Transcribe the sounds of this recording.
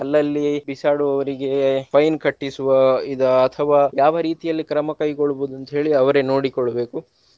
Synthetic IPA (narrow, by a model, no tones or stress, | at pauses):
ɐlːɐlːibisaːɽuɐʋɐɾiɡe̞pʰɐjnkɐʈːisuʋɐid̪ɐːt̪ʰɐʋaːjaːʋɐɾiːt̪ijɐlːikɾɐmɐkɐjkoɭːuboːd̪uɐnt̪ɐɦe̞ːɭiɐʋɐɾeno̞ːɽikɔɭːɐbe̞ːku